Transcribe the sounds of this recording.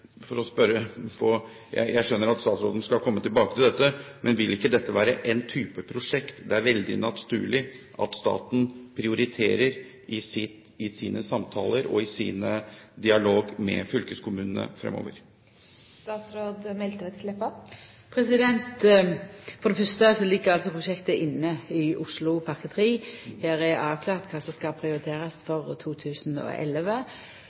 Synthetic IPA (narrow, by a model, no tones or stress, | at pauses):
fɔɾɔspœɾəpʰɔ | jæ̰ɪjæɪʂœnːəɾɑt̪st̪ɑːt̪sɾoːd̪nskɑlkʰɔmːət̪ʰɪlbɑːkət̪ʰɪld̪ɛt̪ːəmʔɛnʋɪlɪkːəd̪ɛt̪ːəʋæːɾəʔɛnt̪ʰyːpəpʰɾʊʂɛkt̪d̪ɛæɾʋɛld̪ɪ̰nɑt̪st̪ʉːlɪʔɑt̪st̪ɑ̰ːt̪n̩pʰɾɪʊɾɪt̪ʰeːɾəɾ | ʔɪsɪt̪ | ɪsiːnəsɑmt̪ʰɑ̰ːləɾɔɪsḭːnəd̪ɪɑloːɡmɛ̰fʏlkəskʰʊmʉːnən̩ə̰fɾɛ̰mo̰ːʋəɾ | st̪ɑːt̪sɾoːd̪mɛlt̪əʋɛt̪ʰlɛpːɑ | pʰɾɛsɪd̪ɛnt̪ | fɔɾd̪ɛfœst̪əsɔlɪɡːəɾɑlsɔpʰʁʊʃɛkt̪əʔɪnːəɪʔʊslʊpʰɑʁkət̪ʰʁiːhæːɾɛʔɑːʋkʰlɑːʁt̪kʰɑːsɔmskɑpʰɾɪʊɾɪt̪ʰeːɾɑst̪fɔʁt̪ʰuːt̪ʰʉːsnɔ̰ʔɛ̰lʋə